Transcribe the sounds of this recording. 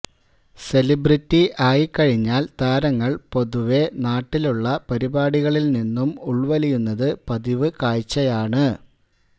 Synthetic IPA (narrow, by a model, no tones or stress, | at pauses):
se̞libritːiʔaːjikːɐɻiɲːaːlt̪aːɾɐŋːɐɭpo̞ðuʋe̞naːʈːiluɭːɐpɐɾibaːɽiɣɐɭilninːumuɭʋɐlijunːɐðɨpɐðiʋɨkaːjt͡ɕːɐjaːɳɨ